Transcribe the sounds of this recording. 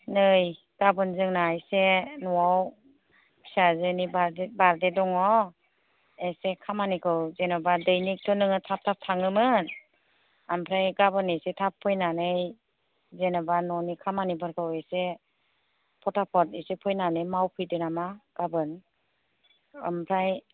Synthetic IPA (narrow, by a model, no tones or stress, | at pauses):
nɯj | ɡ̥abɯnzɯŋnajsenɔwaw | i̥sazɯnibaɾdbaɾdedɔŋɔ | esekʰamanikʰɯwzenɔbadɯjnik̚tʰɔnɯŋɯtʰap̚tʰap̚tʰaŋɯmɯn | ampʰɾajɡabɯnesetʰapʰːɔjnanɯj | zenabanɔnikʰamanibɯɾkʰɯwese | pʰɔtʰapʰɔt̚esepʰɔjnanɯjmawpʰɯjdɯnamaɡ̥abɯn | ampʰɾaj